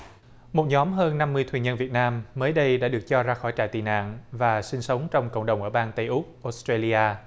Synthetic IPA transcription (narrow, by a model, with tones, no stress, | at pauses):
mo˨˩t̚ɲɔ˨˦mɦəː˧nːa˧mːɨ˧ət̪ʰwɲə˧nvi˨˩ət̚naː˧mːəː˨˦jɗə˧jɗa̰ː˧˥ɗɨ˨˩ək̚t͡ɕɔ˧zaː˧xɔ˧˩jt͡ɕa̰ː˧˨jt̪i˨˩na̰ː˧˨nvaː˨˩sï˧ŋsə˨˦wŋ͡mt͡ɕɔ˧wŋ͡mkə̰˧˨wŋ͡mɗə˨˩wŋ͡mʔəː˧˩ɓaː˧nt̪ə˧jʔʊ˦˥k͡p̚ʔo˨˥stɾe˧li˧ʔaː˧